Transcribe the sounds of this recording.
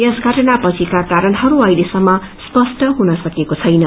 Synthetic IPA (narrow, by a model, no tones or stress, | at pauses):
esɡʱʌʈʌnapʌt͡sʰikakaɾʌnɦʌɾuʌjlesʌmːʌspʌsʈʌɦunʌsʌkekot͡sʰʌjnʌ